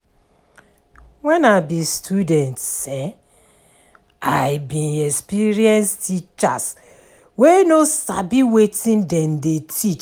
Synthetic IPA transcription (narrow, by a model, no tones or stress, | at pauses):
wɛnabistʰudɛ̃ntsɛ | ajbĩnɛkspiɾiɛ̃nstit͡ʃas | wenosabiwetĩndɛ̃ndetʰit͡ʃ